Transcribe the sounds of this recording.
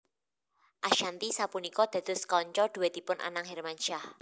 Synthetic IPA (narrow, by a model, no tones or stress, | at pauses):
ʔaʃant̪isapunikɔd̪̥a̤d̪̥ʊ̤skɔɲt͡ʃɔd̪̥uwed̪i̤pʊnʔa̰naŋhɛrmanʃah